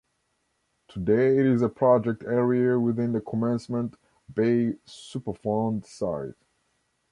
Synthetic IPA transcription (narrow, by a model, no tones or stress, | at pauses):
tʰədeɪɪɾɪzəpʰɹ̥ɑd͡ʒɛk̚tʰɛɹiəwɪðɪ̃nðəkʰɔmɛ̃nsmə̃nt | b̥eɪsupə˞fãʊ̃ndsaɪt